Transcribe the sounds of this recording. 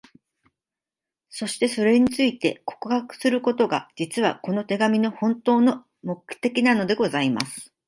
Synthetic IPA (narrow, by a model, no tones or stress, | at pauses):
so̞ɕi̥t̪e̞so̞ɾe̞ɲ̟it͡sɨit̪e̞̰ko̞̥kɯ̟hakɯ̟̥sɨɾɯ̟ko̞t̪o̞ɡa̰d͡ʑit͡sɨβ̞a̰ko̞no̞t̪e̞ɡamʲino̞hõ̞nt̪o̞ːno̞ | mo̞kɯ̟̥kt̪e̞kʲinano̞d̪e̞ɡo̞zaima̰sɨ̥